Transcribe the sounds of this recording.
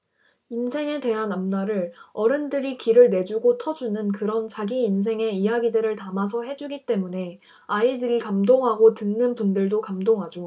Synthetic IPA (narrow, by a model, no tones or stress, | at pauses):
insʰe̞ŋe̞te̞ɦanamnaɾɯɾʌɾɯndɯɾikiɾɯɭne̞d͡ʑuɡotʰʌd͡ʑunɯnkɯɾʌnt͡ɕaɡiːns̬ʰe̞ŋe̞ijaɡidɯɾɯɭtamas̬ʰʌɦe̞d͡ʑuɡit͈e̞mune̞ | aidɯɾikamdoŋɦaɡotɯnːɯnpundɯɭdokamdoŋɦad͡ʑo